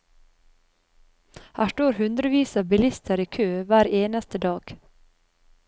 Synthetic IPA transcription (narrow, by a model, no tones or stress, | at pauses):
hæːʃʈoːɾhʉnd̪ɾəʋiːsɑbɪlɪst̪ʰəɾiːkʰøːʋæːɾeːnɑst̪əd̪ɑːɡ̥